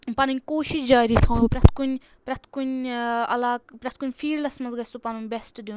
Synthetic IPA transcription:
pɐnunʲkoːʃiʃd͡ʒaːɾiːt̪ʰɐ̃ːpɾɐt̪ʰkunʲ | pɾɐt̪ʰkunɐlaːkpɾɐt̪̚ʰkunʲfʰiːɾlɐsmɐnzɡɐsupɐnunʲbɛsʈd̪un

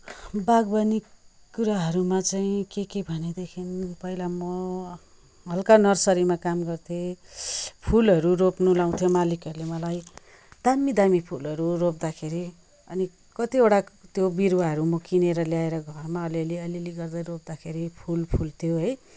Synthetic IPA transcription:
baɡbanikː | uɾaɦʌɾumat͡saĩkekebʱʌned̪ekʰinpʌilamʌ | ɦʌlkanʌrsʌɾimakamɡʌrt̪ʰe | pʰulɦʌɾuropnulaw̃t̪ʰjomalikʌɾulemʌlaj | d̪̥amid̪amipʰulʌɾurop̚d̪akʰeɾi | ʌ̰ni | kʌt̪ioɽat̪jobiɾuwaɦʌɾumʌkineɾʌljaeɾʌɡʱʌrmaʌliʌliʌliliɡʌrd̪ʌjɾop̚d̪akʰeɾipʰulpʰult̪ʰjoɦʌj

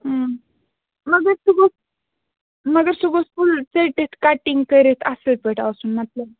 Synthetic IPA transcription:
ɦə | məɡəɾsuɡos | məɡəɾsuɡosfult͡seʈet̪kaʈiŋɡkəɾet̪ʰasəpeʈaʋsuːnmət̪lə

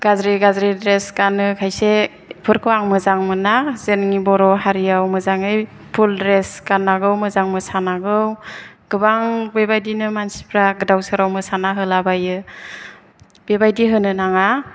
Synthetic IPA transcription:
ɡ̥azɾiɡazɾidɾeskanɯkʰajse | pʰɯɾkʰɯwaŋmɯzaŋmɯnazenŋibɔɾɔɦaɾijawmɯzaŋɯj | pʰuldɾeskanːaɡɯwmɯzaŋmɯsanaɡɯw | ɡ̥ɯbaŋbebajdinɯmansi̥pʰɾaɡɯdawsɯɾawmɯsanaɦɯlabajɯ | b̥ebajdiɦɯnɯnaŋa

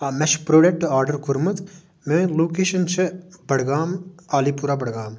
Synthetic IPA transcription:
amɛʃpɾoːɖek̚ʈːuaːɾɖəɾkuɾmɨt̪ | mẽloːkeːʃɐnt͡ʃʰɨbɐɽɡaːmaːlipuɾaːbɐɽɡaːm

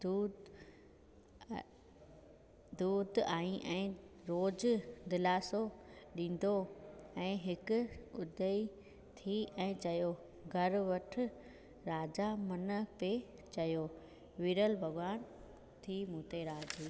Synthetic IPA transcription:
u | d̪uːd̪aːĩʔɛ̃ːɾoːd͡ʑd̪ɪlaːsoɗĩːn̆d̪oɛ̃ːɦɪkʊʊd̪ʱəi | t̪ʰiɛ̃ːt͡ɕɐjo | ɡʱɐɾʋɐʈʰɪ̆ | ɾaːd͡ʑamɐnəpe | t͡ɕɐjo | ʋiːɾəlbʱɐɡwaːn | t̪ʰiːmũːt̪eɾaːd͡ʑiː

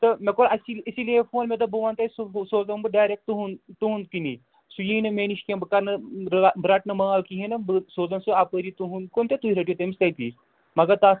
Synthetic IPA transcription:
t̪ɐmekoɾɐsilisilefoːnmʲet̪ɐbuʋant̪ɐjsusoːzɐmbɨɖaːjɾek̚ʈ̚t̪uɦunt̪uɦũnd̪̚kinḭ | sujiːnɐmeːniʃkʲẽmbɐkaɾnɐɾbɾaʈnɐmɐaːlkiɦenɐbsoːzɐnsuapəɾit̪uɦund̪̚kont̪et̪uiɾɐʈ̬jot̪ɐmist̪ɐjt̪ḭː | mɐɡat̪a

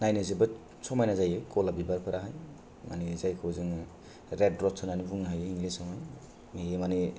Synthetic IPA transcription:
najnezibɯ | sɔmajnazajɯjkʰɔlabibaɾpʰaɾaɦaj | ma̰nizajkʰɔzɯŋ | ɾed̚ɾɔttʰɔnanibuŋɦajɯiŋlisɔmaj | meemani

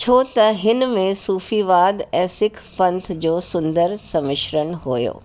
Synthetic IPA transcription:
t͡ɕʰoːt̪ɐɦɪnmẽsuːfiʋaːd̪ɛ̃ːsɪkʰpɐ̃nt̪ʰd͡ʑoːsʊ̃nd̪əɾsɐmɪʃɾəɽ̃ɦojo̰ː

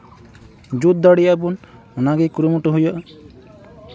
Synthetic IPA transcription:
d͡ʒut̪̚d̪aɽijabun | ɔnaɡɛkuɾumuʈɔɦujəʔ

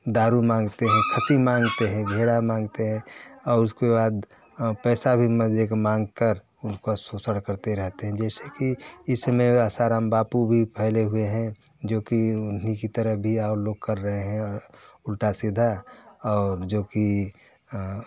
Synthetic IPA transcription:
d̪aːɾumãːŋɡt̪eɦɛ̃kʰɐsimãːŋɡt̪eɦɛ̃bʱeːɽamãːŋɡt̪eɦɛ̃ɔːɾʊskebaːd̪ | pɛːsabʱiməd͡ʒekmãːŋɡkəɾ | ʊnkosoːsəɽkəɾt̪eɾɛɦt̪eɦɛ̃d͡ʒɛːsekiɪsmẽaːsaːɾaːmbaːpubʱipɛɦleɦʊeɦɛ̃ | d͡ʒoːkiʊnikit̪əɾəɦbʱiaːɾloːɡ̚kɐɾːəɦeɦɛ̃ɔːɾʊlʈasɪd̪ʱaɔːɾd͡ʒoːki

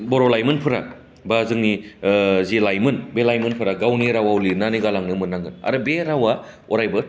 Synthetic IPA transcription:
boɾolajmɯnpʰɯɾa̰ | bazɯŋni | zilajmɯnbelajmɯnpʰɯɾaɡawniɾawawlinaniɡalaŋnɯmɯnːaŋɡɯna̰ɾɯbeɾawa | oɾajbɯ

